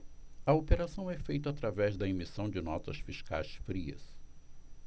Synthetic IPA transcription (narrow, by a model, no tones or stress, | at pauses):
ɐopeɾasɐ̃w̃ɛfejt̪ʊat̪ɾavɛzd̪ɐemisɐ̃w̃d͡ʒɪnɔt̪ɐsfiʃka̰jsfɾiɐ̰s